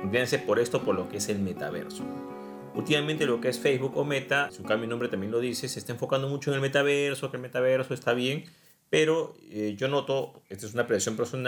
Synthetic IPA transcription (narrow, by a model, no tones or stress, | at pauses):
nenanse̞po̞ɾe̞st̪o̞poɾlo̞keese̞lme̞t̪a̰βḛɾso | ult̪imamẽnt̪e̞lo̞keesfejzβukome̞t̪asiuŋkambjonombɾe̞t̪ambje̞nlo̞ðiseseːst̪aeɱfo̞kand̪o̞mut͡ʃoe̞ŋelme̞t̪aβeɾso̞kelme̞t̪aβe̞ɾsoest̪aβje̞ŋ | pe̞ɾo̞eʝo̞no̞t̪o̞est̪oes̬unapɾeðiksjompeɾso̞na